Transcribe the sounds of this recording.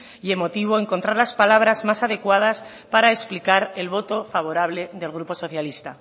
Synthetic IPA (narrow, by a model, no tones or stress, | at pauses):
ie̞mo̞t̪iβ̞o̞e̞ŋkont̪ɾaɾlaspalaβ̞ɾazmasaðe̞kwað̞as | paɾaeksplikaɾe̞lβo̞t̪o̞faβ̞o̞ɾaβ̞le̞ðe̞lɣ̞ɾupo̞so̞θjalist̪a